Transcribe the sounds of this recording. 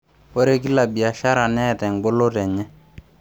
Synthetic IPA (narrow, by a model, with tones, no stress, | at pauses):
o˦ɾe˦k̬i˦la˨bi˨a˨ʃa˦ɾa˨nɛ˦˨tɛ˨ŋ˨ɡo˦lo˦tɛ˨ɲɛ˦